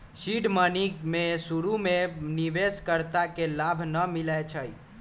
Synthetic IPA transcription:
siɖmənimesuɾumeniʋeskəɾt̪akelabʱnəmilɛt͡ʃʰəj

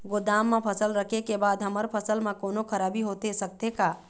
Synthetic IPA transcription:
ɡod̪aːmːẽpʰəsəlɾəkʰekebaːd̪ɦəməɾpʰəsəlmãkoːnokʰəɾaːbʱiɦot̪esək̚t̪eka

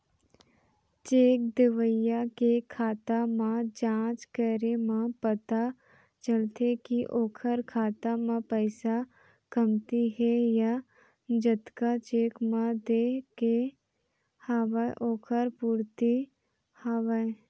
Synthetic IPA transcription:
t͡ʃeːk̚d̪ɪʋəjakekʰaːt̪amãd͡ʒãːt͡ʃkəɾemãpət̪a | t͡ʃəlt̪ekiʔoːkʰəɾkʰaːt̪amãpəːsa | kəmt̪iɦɛja | d͡ʒət̪kat͡ʃeːkmãd̪eːke | haːʋaʔoːkʰəɾpuːɾt̪i | haːʋə

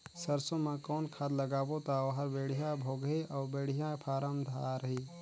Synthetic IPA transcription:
səɾsõmãkɔːnkʰaːd̪ləɡaːbot̪aʋɦəɾbeːɽ̤ijãbʱoːɡeʔɔːbeːɽijãpʰaːɾəmd̪ʱa̰ːɾəɦiː

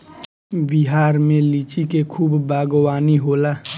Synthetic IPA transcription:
bɪɦaːɾmẽliːt͡ʃikekʰuːbːaːɡwaːniɦoːlaː

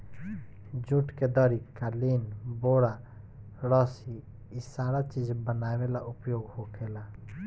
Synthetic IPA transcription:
d͡ʒũʈked̪ɔɾikalinboːɽa | ɾɔsi | isaːɾat͡ʃid͡ʒbənawelaʔupjoːɡhokʰela

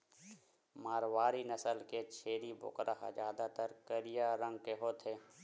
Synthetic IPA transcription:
maːɾwaːɾinəsəlket͡ʃʰeːɾibʊ̰kɾʔaɦa̰d͡ʒjaːd̪at̪əɾkəɾijaɾə̃ŋɡ̚keɦoːt̪ʰɦeː

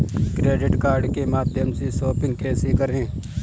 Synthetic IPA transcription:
kɾeːɖɪʈkaːɾɖkemaːd̪jəmsesoːpɪ̃ŋɡ̚kɛːsekəɾɦẽː

